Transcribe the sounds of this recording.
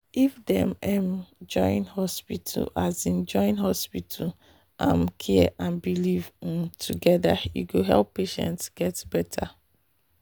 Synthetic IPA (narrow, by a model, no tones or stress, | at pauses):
ifdɛ̃mɛmd͡ʒɔ̃ɪ̃nhɔspitʰṵlazĩnd͡ʒɔ̃ɪ̃nɦɔspitʰa | ʔã̰mkʰiɛʔãnbilivtʰuɡɛdajṵɡoɦɛ̰lˠpːeʃɛ̰̃ntsɡ̥ɛtbɛtʰa